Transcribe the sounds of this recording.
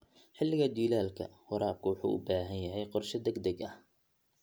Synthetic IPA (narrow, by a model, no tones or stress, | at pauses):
ħɪlːɪɣɐd̪iːlaːlkʰɐ̰wɑɾaːb̚kʰʊwɑħṵːʔʊbaːɦɐnjɐɦɛjqɔrʃɐd̪ɛɡd̪ɐɡɐh